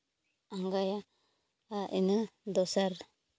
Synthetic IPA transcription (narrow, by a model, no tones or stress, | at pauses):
aŋɡaja | aʔinɯd̪ɔsaɾ